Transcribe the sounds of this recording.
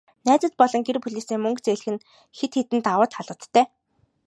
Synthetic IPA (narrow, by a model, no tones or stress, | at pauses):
næːt͡sə̆t̪̚pɔɮɞ̆ŋɡerpuɮeːsiːŋmɵŋkt͡seɮ̆xɘ̆n | xet̪xet̪ɘ̆nt̪awə̆ːt̪χaɮə̆t̪ːæː